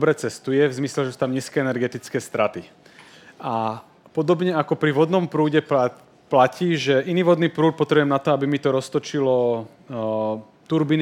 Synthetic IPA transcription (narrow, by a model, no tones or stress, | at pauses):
bɾɛt͡sɛst̪ujɛvzmislɛʒɛsu̥t̪amɲiːskɛɛnɛɾɡɛt̪it͡skɛːst̪ɾat̪i | a | pɔd̪ɔbɲɛakɔpɾiʋɔd̪nɔmpɾuːɟɛ | placiːʒɛʔiniːʋɔd̪niːpɾuːt̪̚pɔt̪ɾɛbujɛmnat̪ɔabimit̪ɔɾɔst̪ɔt͡ʃilɔ | t̪uɾbin